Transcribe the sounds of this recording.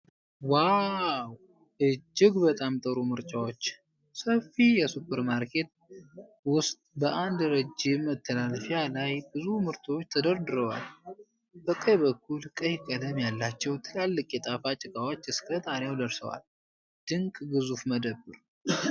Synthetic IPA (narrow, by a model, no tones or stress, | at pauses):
waw | ʔɨd͡ʒːɪɡbət̪ʼamt̪ʼəɾumɨɾt͡ʃʼawo̞t͡ʃː | səfːijɛsupʰːəɾmaɾkʰe̞t̪̚ | wʊst̪ʼbəʔand̪ɾəd͡ʒːɪmːət̪ʰːəlalfjalajbɨzumɨɾt̪ʰot͡ʃːt̪ʰəd̪əɾd̪ɨɾəwa̰l | bəkʼːəjbəkʰːulkʼəjkʼəd̪əmjalːat͡ʃːɛwt̪ʰɨlalːɨkʼjɛt̪ʼafat͡ʃʼɪkʼawot͡ʃːɨskʰət̪ʼanjawd̪əɾsə̰wa̰l | d̪̥ɨŋkʼɡɨzufməd̪əbːɨɾ